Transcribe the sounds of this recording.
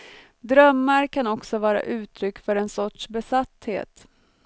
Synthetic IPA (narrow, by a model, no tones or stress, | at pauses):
d̪ɾœmːaɾkʰanɔksɔvɑːɾa̰ʔʉ̟ːt̪ʰɾʏkːfœɾɛnsɔʈʂbɛsat̪hḛːt̪